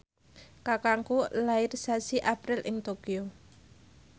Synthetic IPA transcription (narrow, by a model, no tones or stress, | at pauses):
kakaŋkulaɪrsasiʔapɾɪlʔɪŋt̪okio